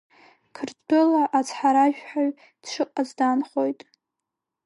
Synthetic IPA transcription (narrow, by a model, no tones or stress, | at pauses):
kʰɨrdolaʔat͡sʰħaɾaʒᶣħaɥ | d̥ʂʰɨqʼazdanχo̞jtʼ